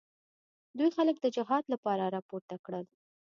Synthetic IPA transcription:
d̪ujxalək̚d̪əd͡ʒʊɦɑd̪lapɑɾaɾɑpoɾt̪akɽəl

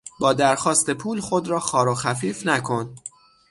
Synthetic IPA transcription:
bɒːd̪æɾxɒːst̪e̞pʰuːlxo̞d̪ɾɒːxɒːɾoxæfiːfnækʰo̞n

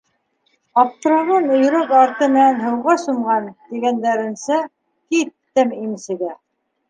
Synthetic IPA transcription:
ɑpt̪ɾɑʁɤnɵ̆jɵ̆ɾækɑɾt̪ɤmɘ̆nænɦɤ̆wʁɑsumʁɑnt̪iɡænd̪æɾɘ̆nsæ | kit̪ːɘmimsɘ̆ɡæ

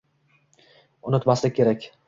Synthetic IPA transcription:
ʊnɪt̪maslɪkʰʲe̞ɾakʲ

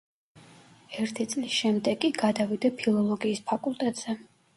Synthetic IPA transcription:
ɛɾt̪ʰit̪sʼlisʃɛmd̪ɛɡʼiɡad̪avid̪apʰilˠɔlˠɔɡiːspʰakʼulˠt̪ʼɛt̪ʼz̥ɛ

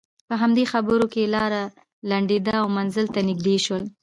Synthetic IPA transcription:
pəɦamd̪exabəɾokelɑɾa | laɳɖed̪aːwmanzəlt̪anɪɡ̚d̪eʃwəl

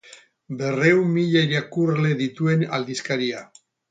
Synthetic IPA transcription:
be̞re̞wmmiʎaiɾakuɾle̞ðit̪ue̞na̰ld̪iskaɾia

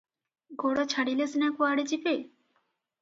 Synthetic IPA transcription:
ɡʱoɽot͡ɕʰaɽilesnakuaɽet͡ɕipej

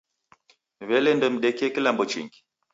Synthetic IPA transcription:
βɛlɛndɔm̩ɗɛkiɛkilambɔt͡ʃḭŋɡi

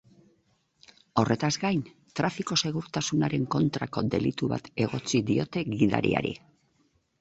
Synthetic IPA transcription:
o̞rʔe̞t̪azɡajn | t̪ɾafiko̞se̞ɣ̞uɾt̪asunaɾe̞ŋko̞nt̪ɾako̞d̪e̞̰lit̪uβa̰t̪e̞ɣ̞o̞t͡siðio̞t̪e̞ɣiða̰ɾḭa̰ɾḭ

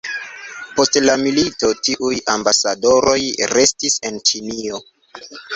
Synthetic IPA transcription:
po̞stlamilito̞tiʔujambasado̞ɾo̞jɾe̞stise̞nt͡ʃinio̞

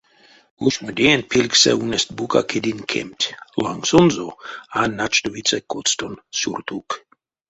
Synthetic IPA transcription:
uʃmud̪ʲenʲpʰilʲksɛ̰unɛst̪̚buka̰kʰed̪inkʰḛmt̪ʲlaŋsonzoanat͡ʃt̪ovit̪t͡s̪ɛkot̪st̪onsʲṵrt̪ʰuk

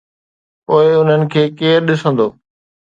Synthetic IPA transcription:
poːɪʊn̤ənɪ̆kʰeːkeːɾɗɪsə̃nd̪oː

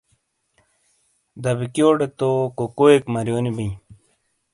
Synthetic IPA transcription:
d̪ɐbikjoːɖet̪okokoekmɐɾjoːnibiĩ

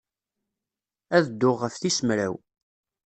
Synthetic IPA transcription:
æðəd̪ːʊʁːəfθisəmɾæw

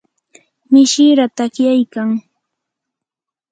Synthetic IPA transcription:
mɪʃɪɾat̪akjajkaŋ

